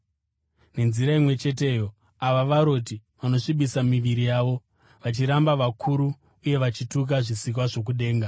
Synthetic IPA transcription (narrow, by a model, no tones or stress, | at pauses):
ne̞nziɾaimwe̞t͡ʃe̞t̬e̞ːjo | aʋaʋaɾo̞t̬iʋano̞ʂiɓisamiʋiɾijaːʋo̞ | ʋat͡ʃiɾambaʋakʰuɾuː | je̞ʋat͡ʃituk̬aʐisik̬waʐo̞k̬uɗe̞ːŋɡa